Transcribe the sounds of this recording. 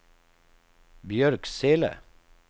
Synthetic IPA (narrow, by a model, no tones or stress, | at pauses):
bjœɾkseːlə̰